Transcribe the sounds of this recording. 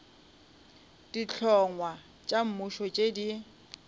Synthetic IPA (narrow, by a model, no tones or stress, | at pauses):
d̥it͡ɬʰɔŋwa | t͡ʃʼam̩muʃɔt͡ʃʼedi